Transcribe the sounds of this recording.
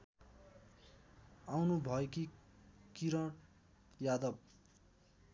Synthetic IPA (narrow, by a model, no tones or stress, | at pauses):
awnubʱʌekikiɾʌɽ | jad̪ʌb̚